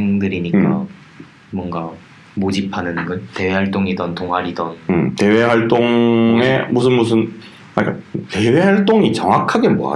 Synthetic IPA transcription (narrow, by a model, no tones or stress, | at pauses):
eŋdɯɾiɲikk͈a̰ | mwʌnɡa | mod͡ʑipʰanɯnɡʌnte̞we̞ɦaɭt͈oŋidʌntoŋɦaɾidʌnte̞we̞ɦaɭt͈oŋemusʰɯnmus̬ʰɯn | aɲik͈ate̞we̞haɭt͈oŋit͡ɕʌŋakʰaɡe̞mo̰a̰